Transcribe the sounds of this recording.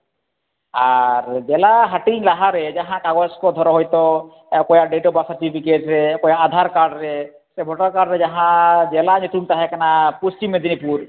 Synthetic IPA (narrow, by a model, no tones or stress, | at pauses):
aɾd͡ʒɛlaɦaʈiɲlaɦaɾed͡ʒaɦãkaɡɔskɔd̪ʱɔɾɔɦɔjt̪ɔ | kɔjaɖeʈɔbasaɾʈipʰikeʈɾekɔjaːd̪ʱaɾkaɾɖɾe | sebʱɔʈaɾkaɖɾed͡ʒaɦãd͡ʒɛlanot̪unt̪aɦɛkanapust͡ʃimːed̪ʱinipuɾ